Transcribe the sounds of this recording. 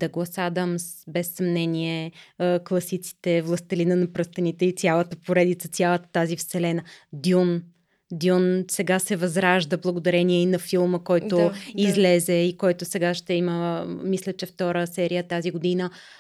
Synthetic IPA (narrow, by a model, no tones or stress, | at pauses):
d̪ɐɡlˠɐsad̪ɐmsbɛsːɐmnɛniɛklˠɐsit̪si̥t̪ɛvlˠɐst̪ɛlinənɐpɾɤst̪ɐnit̪ɛit̪sʲjalˠət̪əpoɾɛd̪it̪sət̪sʲjalˠət̪ə̥t̪azifsɛlɛnəd̪ʲjun | d̪ʲjunsɛɡasɛvɐzɾaʒd̪əblˠɐɡod̪ɐɾɛniɛinɐfilˠməkɔjt̪ʊizlɛzɛikɔjt̪ʊsɛɡaʃt̪ɛiməmislʲət͡ʃɛft̪ɔɾəsɛɾijət̪aziɡod̪inə